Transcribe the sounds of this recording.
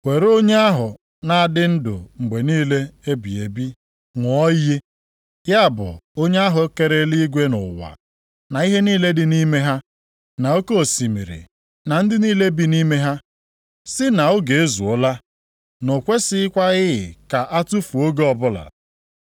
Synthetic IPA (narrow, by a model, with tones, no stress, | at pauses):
wʷe˨ɾo˦ɲe˦a˦ɦʊ˨ | na˨a˦˨dɪ˦n̩˦dʊ̰˨ŋ͡m̩˨ɡ͡be˨niː˦le˦e˦bi˨ḛ˨bi˦ | ŋʷ˨˦ɔ˦je˦ | ja˦˨bʊ̰˨o˦ɲe˦a˦ɦʊ˨˦ke˦ɾe˦li˦ɡʷe˦nʊ̰˨wa̰˨ | na˨i˦ɦe˦niː˦le˦dɪ˨ni˦me˦ɦa˦ | na˨o˦ko˦o˨si˨mḭ˨ɾḭ˨ | na˨n̩˦dɪ˦ni˦le˦bi˦ni˦me˦ɦa˦ | sɪ˦na˨o˦ɡe˨e˦zu˨o˦la˦ | no˨kʷe˦sɪ˦ɪ˦kʷa˦ɣɪ˦ɪ̰˨ka˨ʔa˦tu˦fu˨o˦ɡe˦ɔ˨bʊ˦la̰˨